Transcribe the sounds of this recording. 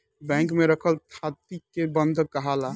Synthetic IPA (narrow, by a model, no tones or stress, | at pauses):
bɛ̃ŋkmeɾəkʰəlt̪ʰat̪ikebənd̪ʱəkːəɦala